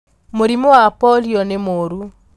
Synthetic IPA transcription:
moɾimoapɔliɔnɛmoɾu

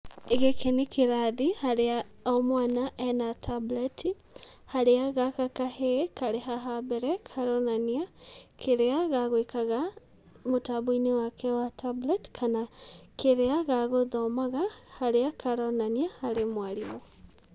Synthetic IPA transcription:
eɣekʰenekʰeɾaðihaɾeaɔmwanaʔɛnatʰablɛtʰi | haɾeaɣakakahekaɾeɦaɦabɛɾɛkʰaɾɔnaniakʰeɾeaɣaɣwekaɣa | motaβoinewakɛwatʰablɛtkʰanakeɾeaɣaɣoðɔmaɣahaɾeakʰaɾɔnaniahaɾemwaɾimo

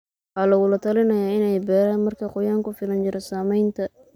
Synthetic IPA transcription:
ħaːlɐɣʊlɐt̪ʰɐlɪnɐjaːɪnɛjbɛːɾaːnmɐrkʰɐqʊjaːŋkʊfɪlɐnt͡ʃɪɾɛsaːmɛjnt̪ʰɐ

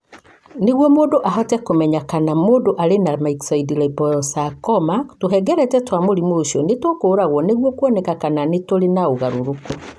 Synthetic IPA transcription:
neɣwɔmoːndoʔaɦɔtɛkomɛɲakanamoːdoʔaɾenamaiksaidilɛbɔɾɔsakɔmatoɦɛɡɛɾɛtɛtwamoɾimoʃiɔnetokoːɾaɣwɔneɣwɔkwɔnɛkakananetoɾenaoɣaɾoɾoko

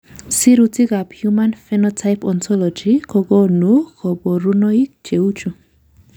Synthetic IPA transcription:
siɾutiɡaphjumanfɛnɔtʰajpɔntʰɔlɔd͡ʒikʰɔɡɔnukʰɔbɔɾunɔik̚t͡ʃeut͡ʃu

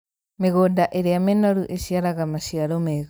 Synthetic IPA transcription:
meɣodaʔeɾeamenoɾuʔeʃiaɾaɣamaʃiaɾomeɣ

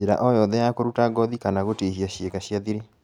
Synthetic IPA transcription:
eɾa̰ʔɔjɔðɛjakoɾutaɡɔðikanaɣoteɦiaɕjekaɕjaðiɾe

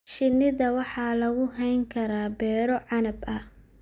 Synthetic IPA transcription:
ʃɪnɪðɐwɑħɑːlɐɣʊɦɛjŋkʰɐɾaːbɛːɾɔʕɑnɐbɐ

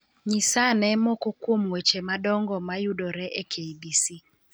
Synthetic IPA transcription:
ɲisanɛmɔkɔkwomwet͡ʃemadɔŋɡɔmajudɔɾɛʔɛkʰeibisi

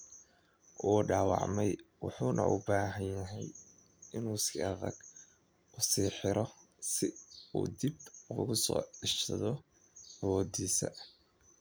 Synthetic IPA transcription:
ʔuːɖɑːwɑ̰ʕmɛjwɑ̰ħuːnʔɐ̰ʔʊbaːɦɐnjɐɦɛj | ɪnuːsiːɑðɐ̰ɡ̥ | ʊsiːħɪɾʔɔ | sɪṵːd̪ibʊɣʊsɔ̰ːɪʃtʰɐ̰ðɔ | ɐwɔːd̪iːsɐ̰

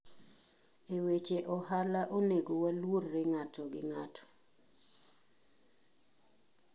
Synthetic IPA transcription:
ewet͡ʃeʔɔɦalaʔoneɡowalworːeŋatʰɔɡɪŋatʰɔ̥

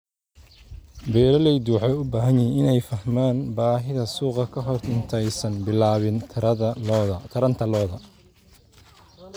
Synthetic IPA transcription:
bɛːɾɐlɛjd̪uːħɔʊbaːɦɐnɛɪnɛjfɐhmaːnbaːɦɪðɐsuːqɐkʰɐɦɔrɪnt̪ʰɛjsɐnbɪlaːβɪnʰɐt̪ʰɐɾɐnt̪ʰɐlɔːðɐ

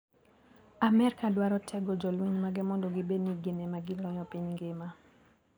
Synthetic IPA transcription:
amɛɾkadwaɾɔtʰɛɡɔd͡ʒɔlweɲmaɡɪmɔndoɡɪbeniɡenemaɡɪlɔjɔpiɲŋɡɪma

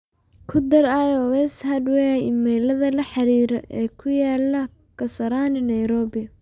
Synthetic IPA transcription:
kʰʊd̪ɐɾajɔwɛshɐd̪wɛɪmɛlɐðɐlɐħɑɾiːɾɔ̰ʔɛːkʰʊjaːlɐ | kʰɐsɐɾaːnɪnɐjɾɔːbɪɐ

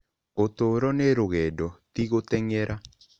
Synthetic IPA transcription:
ot̪oɾɔneɾoɣɛdɔt̪iɣot̪ɛŋɛɾʔa

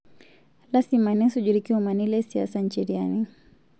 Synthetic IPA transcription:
lasimanɛsud͡ʒuɾikiumanilɛsia̰saɲt͡ʃɛɾiani

